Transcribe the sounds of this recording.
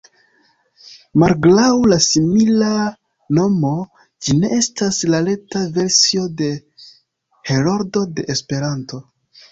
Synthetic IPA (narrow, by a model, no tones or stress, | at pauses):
malɡlawlasimila | no̞mo̞ | d͡ʒine̞e̞staslale̞tave̞ɾsio̞de̞ | he̞ɾoɾdo̞de̞ʔespe̞ɾanto̞